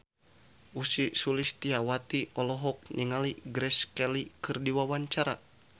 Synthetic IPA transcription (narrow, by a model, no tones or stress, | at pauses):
ʔusisulist̪iawat̪iɔlɔɦɔk̚niŋaliɡɾɛskɛlikɨrdiwawaɲt͡ʃaɾa